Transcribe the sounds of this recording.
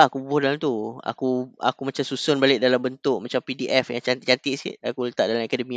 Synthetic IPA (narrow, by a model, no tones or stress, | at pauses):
akubʊhdalamt̪ua̰kua̰kumat͡ʃamsusʊnbalɪʔ̚dalambənt̪ʊʔ̚mat͡ʃampidiʔɛfjaŋt͡ʃat͡ʃant̪iʔsḭt̪akulət̪a̰ʔdalamɛkadəmĩ